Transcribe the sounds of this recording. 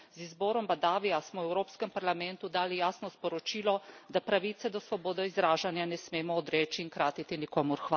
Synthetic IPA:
zizbɔːɾɔmbad̪aːʋijasmɔwɛwɾoːpskɛmpaɾlamɛnt̪ud̪aːlijaːsnɔspɔɾɔt͡ʃiːlɔd̪apɾaʋiːt̪sɛd̪ɔsʋɔboːd̪ɔizɾaːʒanjanɛsmeːmɔːd̪ɾɛːt͡ʃiːŋkɾaːt̪it̪inikoːmuɾxʋa

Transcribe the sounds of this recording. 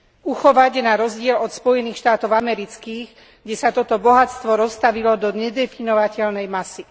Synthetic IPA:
uxɔʋaɟnaɾɔzɟɪɛlɔt̪spɔjɛniːxʃt̪aːt̪ɔʊamɛɾit͡skiːɣ | ɡɟɛsat̪ɔt̪ɔbɔɦatt͡st̪ʋɔɾɔst̪aʋilɔd̪ɔɲɛd̪ɛfinɔʋacɛlnɛjmasi

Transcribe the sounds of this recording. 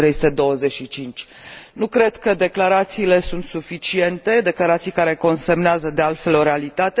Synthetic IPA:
ɾejsu̥t̪e̞d̪o̞wəze̞ʃit͡ʃint͡ʃʲ | nukɾe̞d̪kəd̪e̞klaɾat̪siːle̞sunt̪sufit͡ʃie̞nt̪e̞d̪e̞klaɾat̪sijkaɾe̞ko̞nsemneazəd̪ealt̪fe̞lo̞ɾealit̪at̪e

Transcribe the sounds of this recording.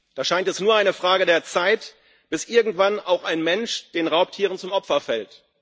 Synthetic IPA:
d̥aːʃaɪntɛsnuːɐaɪnəfʁ̥aːɡədeːɐt͡saɪt | b̥ɪsʔɪɐɡŋ̩tv̥ana̰ʊxaɪnmɛnʃd̥eːnʁaʊp̚tʰiːʁənt͡sʊmʔɔpfɐfɛlt

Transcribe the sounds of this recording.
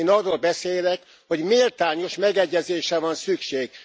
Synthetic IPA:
nɒrːoːlbɛseːlɛk | ho̞ɟmilt̪aːɲo̞ʃmɛɡɛɟːɛzeːʃɛvɒnsykʃeːɡ̥

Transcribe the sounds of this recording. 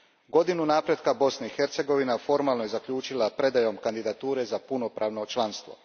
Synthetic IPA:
ɡo̞d̪inunaːpɾe̞d̪kabo̞snaixeɾt̪se̞ɡo̞ʋinafo̞ɾmalˠnojezakʎuːt͡ʃilˠapɾe̞d̪ajo̞mkand̪id̪at̪uːɾe̞zapunopɾaːʋno̞t͡ʃlˠanst̪ʋo̞̰

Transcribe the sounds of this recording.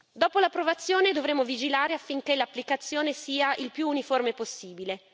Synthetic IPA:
d̪ɔːpolapɾovat̪sːjoːned̪ovɾemːovid͡ʒilaːɾeafːiŋkelapːlikat̪sːjoːnesiːaʔilpjuːniformeposːiːbile

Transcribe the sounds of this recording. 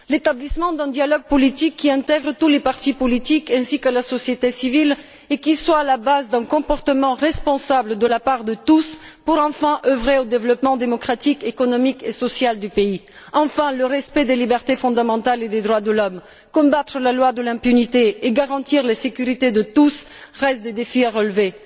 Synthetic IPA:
let̪ablismɑ̃d̪ɛ̃d̪jalɔɡ̚pɔlit̪ikʰːiɛ̃t̪ɛɡʁt̪ulepaʁt̪ipɔlit̪ikɛ̃sikalasɔsjet̪esivil | ekʲiswaːlabazd̪ɛ̃kɔ̃pɔʁt̪əmɑ̃ʁɛspɔ̃sabld̪əlapaʁd̪ət̪uspuʁɑ̃fɛ̃ʔøvʁeod̪evlɔpmɑ̃d̪emɔkχat̪ikekɔnɔmikesɔsjald̪ypei | ɑ̃fɛ̃ləʁɛspɛd̪elibɛʁt̪efɔ̃d̪amɑ̃t̪aled̪ed̪ʁwad̪əlɔm | kɔ̃bat̪χəlalwad̪əlɛ̃pynit̪eːɡaʁɑ̃t̪iʁlesekʲyʁit̪ed̪ət̪usʁɛst̪̚d̪ed̪efiaʁəlve

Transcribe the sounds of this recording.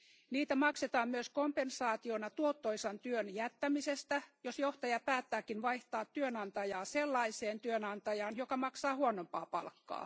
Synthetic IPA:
niːt̪æmɑkset̪ɑːmmyøskompensɑːt̪ionɑt̪uot̪ːoisɑnt̪yønjæt̪ːæmisest̪æjosjoht̪ɑjɑpæːt̪ːæːkinʋɑiht̪ɑːt̪tyønɑnt̪ɑjɑːselːɑiseːnt̪yønɑnt̪ɑjɑːnjokɑmɑksɑːhuonompɑ̰ːpɑ̰lkːɑ̰ː

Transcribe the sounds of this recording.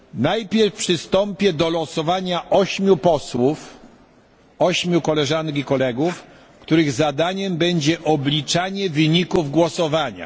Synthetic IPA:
najpʲjɛɾfpʂɘst̪ɔmpʲjɛd̪ɔlɔsɔvaɲaʔɔɕmʲjupɔswuf | ɔɕmʲjukɔlɛʐankʲikɔlɛɡuf | kt̪uɾɘɣzad̪aɲɛmbɛɲd͡ʑɛʔɔblʲit͡ʂaɲɛvɘɲikuvɡwɔsɔvaɲa̰

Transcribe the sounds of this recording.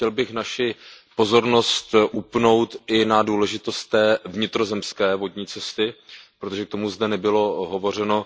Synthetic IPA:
ɛlbɪxnaʃɪpo̞zo̞ɾno̞st̪ʔupno̞wt̪ʔɪnaduːlɛʒɪt̪o̞st̪ːɛːvɲɪt̪ɾo̞zɛmskɛːvo̞dɲiːt͡sɛst̪ɪpɾo̞t̪oʒɛkt̪o̞muzd̪ɛnɛbɪlo̞ɦo̞vo̞r̝ɛno̞

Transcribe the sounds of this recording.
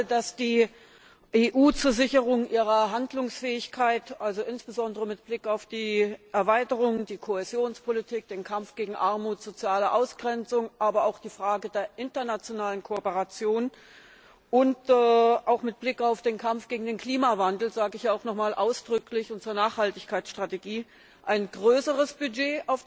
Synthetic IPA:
dasd̥iː | ʔeːʔuːt͡suːɐzɪçəʁʊŋʔiːʁ̞ɐɦandlʊŋsfɛːɪçkʰaɪtʔalzoʔɪnsb̥əzɔndəʁəmɪt̚b̥lɪkaʊfd̥iːʔɛɐvaɪtəʁʊŋd̥iːkʰoezjoːnspʰolitʰiːk̚d̥eːnkʰamfɡ̥eːɡŋ̩ʔaɐmuːtz̥ot͡sjaːləʔaʊsɡ̥ʁɛnt͡sʊŋʔaːbɐaʊxd̥iːfʁ̥aːɡədeːɐʔɪntɐnat͡sjonaːlənkʰoɔpəʁat͡sjoːn | ʔʊntɛʔaʊxmɪt̚b̥lɪkaʊfd̥eːnkʰamfɡ̥eːɡŋ̩deːnkl̥iːmavandl̩zaːɡəɪçjaːaʊxnɔχmaːlʔaʊsd̥ʁʏklɪçʊntt͡suːɐnaːχhaltɪçkʰaɪtsʃtʁ̥ateɡiː | ʔaɪnɡʁøːsəʁəsb̥yd͡ʒeːʔaʊf

